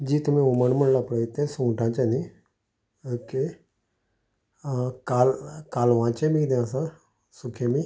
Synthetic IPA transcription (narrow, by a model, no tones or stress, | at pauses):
d͡ʒiːt̪ʊmẽʊməɳməɳlaːpəɽet̪ẽsũːʈãːt͡ʃəni | əke | kaːlkaːlʋãːt͡ʃẽmĩd̪eãsãː | sʊkʰeːmi